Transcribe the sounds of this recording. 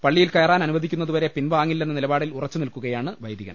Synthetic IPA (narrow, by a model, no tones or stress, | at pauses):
pɐɭːijilkɐːɐraːnɐnuʋɐd̪ʱikʲːunːɐðuʋɐɾe̞pinʋaːŋːilːenːɨnilɐbaːɽilurɐt͡ɕːunilkuɣɐjaːɳɨʋɐjd̪ʱjiɣɐ̰n